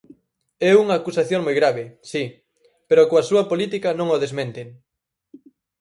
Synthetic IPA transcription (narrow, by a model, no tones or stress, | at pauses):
ɛuŋɐːkusaθjoŋmojɣɾaβesi | peɾokoɐsuɐpolit̪ikɐnõŋoðezmẽnt̪eŋ